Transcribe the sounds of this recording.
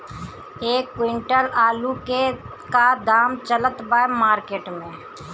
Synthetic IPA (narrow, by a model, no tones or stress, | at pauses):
eːkːwɪɳʈəlaːluke | kad̪aːmt͡ʃələt̪baːemaːɾkeːʈmẽː